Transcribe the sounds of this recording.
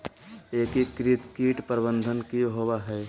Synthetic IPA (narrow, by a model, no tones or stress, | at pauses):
eːkikɾɪt̪kiːʈpɾbə̃nd̪ʱənkiɦowaɦɛː